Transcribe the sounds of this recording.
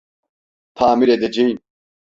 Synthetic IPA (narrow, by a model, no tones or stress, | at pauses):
t̪ʰaːmiɾɛd̪ɛd͡ʒijn